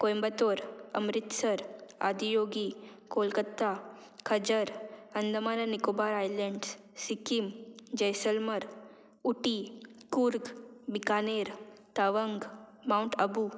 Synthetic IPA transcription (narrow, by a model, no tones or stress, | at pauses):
kojmbət̪oːɾɐ̰mɾɪt̪səɾa̰ːd̪ijoːɡikoːlkət̪ːa | kʰɐd͡ʒəɾɐnd̪əmaːnanikobaːɾaːjleɳɖs | sikimd͡ʒəjsəlmɐɾ | uʈikuɾɡbikaːneːɾt̪aʋəŋɡmawɳʈɐbu